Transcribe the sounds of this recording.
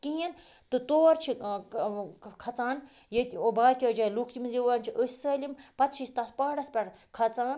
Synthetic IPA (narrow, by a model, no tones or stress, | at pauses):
kiːɐn | t̪ɨt̪oːɾt͡ʃʰi | kʰɐt͡saːn | jet̪ʲiobaːkʲɔːd͡ʒaːjlukʰt̪imɨziʋaːnt͡ʃʰiʔəsʲi̥sɐːlʲimpɐt̪̚t͡ʃʰisʲt̪ɐspaːɽɐspʲɐɽ | kʰɐt͡saːn